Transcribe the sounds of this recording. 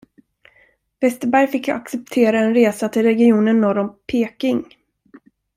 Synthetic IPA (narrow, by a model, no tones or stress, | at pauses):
vɛst̪əɾbæɾjfɪkːaksɛp̚t̪ʰeːɾaɛnɾeːsat̪ʰɪlɾɛɡɪuːnənːɔɾɔmpʰeːkɪŋ